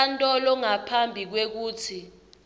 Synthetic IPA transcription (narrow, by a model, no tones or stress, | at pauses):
antʼɔlɔŋapʰambʱik̬wek̬uːtʰi